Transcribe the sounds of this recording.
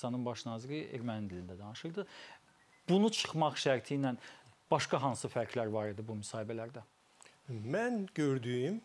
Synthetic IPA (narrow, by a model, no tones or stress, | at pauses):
sɑnɯnbɑʃnɑːziɾiʔḛɾmænind̪ilind̪æd̪ɑnɯʃɯɾd̪ɯ | b̥unut͡ʃʰɯ̥χmɑχʃæɾt̪ʰinænb̥ɑʃkɑɦɑnsɯfæɾcʰlæɾvɑɾid̪ibumysɑːhibælæɾd̪æ | mænɟøɾd̪yjym